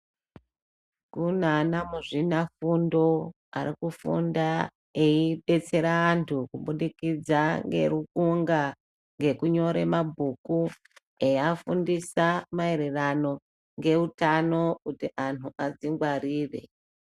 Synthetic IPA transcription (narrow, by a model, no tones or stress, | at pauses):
kunanamuʐinafundo̞ | a̰ɾikufṵnda | eiɓe̞t͡se̞ɾaːntʰukuɓuɗikid͡zaŋɡe̞̰rukuŋɡa | ŋɡe̞kuɲo̞ɾe̞mabʱuku | ejafundisamae̞ɾe̞rano̞ | ŋɡe̞utano̞kutiʔanuʔad͡ziŋɡwariːre̞̰